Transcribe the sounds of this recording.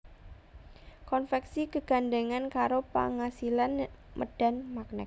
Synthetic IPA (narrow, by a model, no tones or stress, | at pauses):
kɔnfɛksikəɡ̥a̤ndəŋankaɾopa̰ŋasilanmʔə̰d̥a̤nmak̚nɛ̰k̚